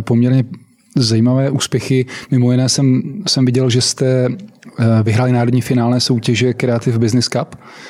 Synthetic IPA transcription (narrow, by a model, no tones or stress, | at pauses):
pomɲɛɾɲɛ | zajiːmavɛːʔuːspjɛxɪmɪmojɪnɛːsɛmsɛmvɪɟɛlʒɛst̪ɛ | vɪɦɾaːlɪnaːɾodɲifɪnaːlnɛːso̞wcɛʒɛkɾɛat̪ɪvbɪznɪskap